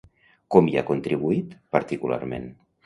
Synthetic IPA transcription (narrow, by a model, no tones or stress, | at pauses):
kɔmia̰kunt̪ɾiβuit̪pəɾt̪ikula̰ɾmḛn